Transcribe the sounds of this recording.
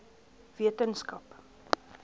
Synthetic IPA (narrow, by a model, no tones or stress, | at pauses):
v̥iətənskɐp